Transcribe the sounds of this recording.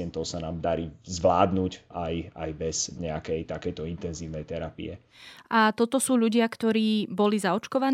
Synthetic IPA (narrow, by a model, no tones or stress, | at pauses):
ɛnt̪ɔʊsanaːmd̪aɾiːzʋlaːd̪nuːcaja̰jbɛz̥ɲɛakɛjt̪akɛjt̪ɔint̪ɛnziːʊnɛjt̪ɛɾapḭɛ | ʔat̪ɔt̪ɔsuːʎuɟɪakt̪ɔɾiːbɔlizaɔt͡ʃkɔʋan